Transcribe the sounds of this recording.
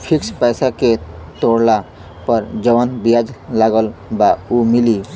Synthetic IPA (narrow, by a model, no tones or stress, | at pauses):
pʰɪkspɛːsaket̪oːɽla | pəɾd͡ʒəʋənbijad͡ʒlaːɡəlbaumɪli